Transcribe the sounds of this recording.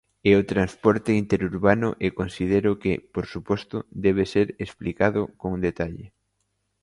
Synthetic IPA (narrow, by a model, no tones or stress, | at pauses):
ɛot̪ɾanspɔɾt̪eint̪eɾuɾβanʊʔekonsiðeɾʊkepoɾsupɔst̪ʊd̪ɛβ̞eseɾesplikaðʊkoŋd̪et̪aʎɪ̰